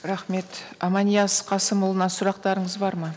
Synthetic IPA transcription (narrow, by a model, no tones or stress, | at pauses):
ɾɑχme̞t̪ɑmɑnijɑsqʰɑsəmʊlˠənɑsʊɾɑq̚t̪ɑɾəɴəzbɑɾmɑ